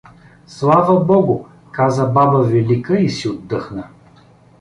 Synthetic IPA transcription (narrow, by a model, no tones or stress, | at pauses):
slˠavəbɔɡʊ | kazəbabəvɛlikəisiod̪ːɤxnə